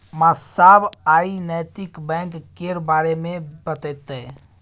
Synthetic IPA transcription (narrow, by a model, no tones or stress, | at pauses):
mãsabaːinəjt̪ɪkbɛ̃ŋkːeɾbaɾemẽbət̪ɛt̪e